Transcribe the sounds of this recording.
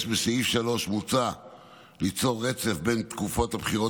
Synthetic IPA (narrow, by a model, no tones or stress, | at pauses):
ʃbeseifʃalo̞ʃmut͡sa | lit͡so̞ʁːet͡sefbe̞nt̪kufo̞t̪habχiʁo